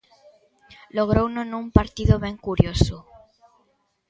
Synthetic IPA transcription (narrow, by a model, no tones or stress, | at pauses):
loɣ̞ɾownonũmpaɾt̪iðoβẽŋkuɾjoso